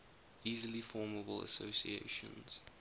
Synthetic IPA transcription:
iːzəlifɔːməbəlˠə̰soʊsḭḛɪʃə̰̃nz̥

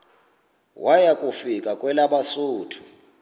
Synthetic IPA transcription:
wajakʼufikʼakʼwɛlaɓasuːtʰu̥

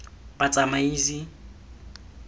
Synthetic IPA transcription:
pat͡sʼamaiːzi

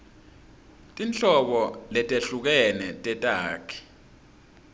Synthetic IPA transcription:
tʼint͡ɬʼɔɓɔlɛtʼeɬuk̬ɛnɛtʼɛtʼaːkʰi̥

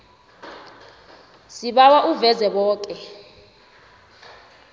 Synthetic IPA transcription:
siɓawaʔuvɛzɛɓɔːk̬ʼɛ

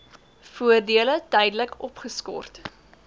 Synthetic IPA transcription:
fuərdiələtɛjdələkɔpχəskɔ̰rt

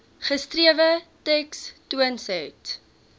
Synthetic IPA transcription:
χəstriəvətɛkstuənsɛt

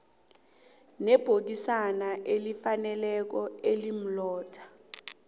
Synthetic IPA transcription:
nɛb̥ʱok̬isanaʔelifanɛlɛk̬ɔelim̩lɔːtʰḁ

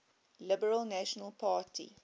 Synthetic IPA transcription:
lɪbəɹəlnaʃɔnəlˠpʰaːtʰḭ

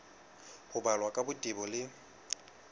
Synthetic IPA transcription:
hʊbalwakʼabʊtʼibɔlɪ

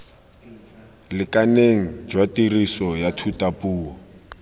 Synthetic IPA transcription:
lɪkʼaneŋ̩d͡ʒwatirisɔjatʰutapuːɔ

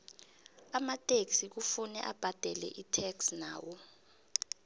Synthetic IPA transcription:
amatʼeksik̬ufunɛ̰ʔab̥ʱad̥ʱɛlɛ̰ʔitʰɛksnaːwɔ

